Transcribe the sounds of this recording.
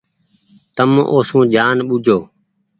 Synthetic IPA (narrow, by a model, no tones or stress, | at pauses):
t̪əmoːsũːd͡ʒaːnɓud͡ʒʱoː